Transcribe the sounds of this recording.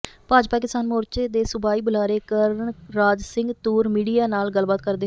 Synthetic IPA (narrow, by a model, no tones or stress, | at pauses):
paːd͡ʒpaːkɪsaːnmoːɾt͡ʃeːd̪eːsʊbaːiːbʊlaːɾeːkəɾəɳɾaːd͡ʒsɪ̃ŋɡt̪uːɾmiːɖijaːnaːlɡəlbaːt̪̚kəɾd̪eː